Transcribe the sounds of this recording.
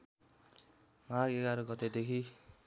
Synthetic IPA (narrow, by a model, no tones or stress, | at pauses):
maɡeɡaɾoɡʌt̪ed̪ekʰi